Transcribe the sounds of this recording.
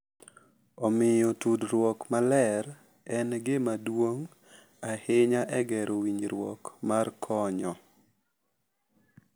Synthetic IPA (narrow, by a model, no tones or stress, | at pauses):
ɔmɪjotudɾwɔkmalɛɾ | ɛnɡɪmadwoŋ | ahɪɲaʔɛɡɛɾʔowiɲɾwɔ̰kmarkʰɔɲɔ